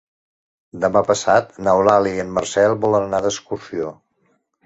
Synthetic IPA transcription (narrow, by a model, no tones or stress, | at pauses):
d̪əmapəsat̪̚nəwlaliənmərsɛlˠβɔlənnaðəskuɾsio